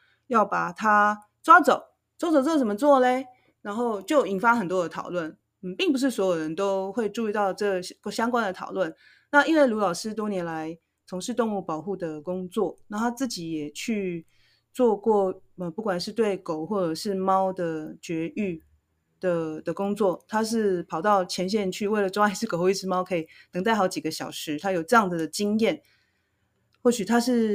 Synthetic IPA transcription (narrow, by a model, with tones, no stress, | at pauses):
jɑ˥˩ʊpa˨˩t̪ʰa˥ | t͡swa˥t͡so˨˩˦ʊ | t͡swa˥t͡so˨˩ʊt͡swo˥˩t͡sə˨˩mə˦t͡swɔ˥˨le˨ɪ | na˧˥nxo˥˧ʊt͡ɕjo˥˩ʊi˨˩nfa˥xə˨˩nt̪wɔ˥d̪ə˨t̪ʰɑ̰˨˩ʊlwə˥˨n̩˥˩ | pi˥˩ŋp̬u˧˦ʂ̬ɻ̩˥˩swɔ˧˥jo˨˩ʊɻə˧˦nt̪o˥ʊxwe˥˧ɪʈ͡ʂu˥˧i˥˧t̪ɑ˥˧ʊʈ͡ʂə˥˩ɕjɑ˥ŋkwa˥nd̪ə˨t̪ʰɑ˨˩ʊlwə˥˨n | na˥˧i˥nwe˥˩ɪlu˧˥lɑ˨˩ʊʂɻ̩˥t̪wɔ˥njɛ˧˥nla˧˦ɪ | t͡sʰʊ˧˥ŋʂɻ̩˥˧t̪ʊ˥˧ŋu˥˩pɑ˨˩ʊxu˥˩d̪ə˩kʊ˥ŋt͡swɔ˥˨na˥˩t̪ʰa˥t͡sɹ̩˥˩t͡ɕi˨˥jɛ˨˩t͡ɕʰy˥˧ | t͡swɔ˥˧kwɔ˥˩ | ə˧pu˥˩kwa˨˩nʂɻ̩˥˧t̪we˥˩ɪko˨˩ʊxwɔ˥˩ʈ͡ʂə˨˩ʂɻ̩˥˩mɑ˥ʊd̪ə˨t͡ɕɥɛ˧˥y˥˩ | d̪̥ə˨˩d̪ə˩kʊ˥ŋt͡swɔ˥˩t̪ʰa˥ʂ̬ɻ̩˥˩pʰɑ˨˩ʊt̪ɑ˥˩ʊt͡ɕʰjɛ˧˥nɕ̬jɛ˥˧nt͡ɕʰy˥˧we˥˩ɪlə˨ʈ͡ʂo˥ŋa˥ɪsɻ̩˥˩ko˨˩xo˥˩˦i˥˩ʂ̩ʰ˧˥mɑ˥ʊkʰɤ˧˥i˨˩nɤ˧˥ŋt͡sa˥˩ɪxɑ˧˥ʊt͡ɕi˨˩ɡə˦ɕjɑ˨˩ʊʂɻ̩˧˥t̪ʰa˥jo˨˩ʊʈ͡ʂɤ˥˧jɑ˥˩ŋd͡zɨ˩d̪ə˩t͡ɕi˥ŋjɛ˥˩n | xwɔ˥˩ɕy˨˩t̪ʰa˥ʂɻ̩˥˩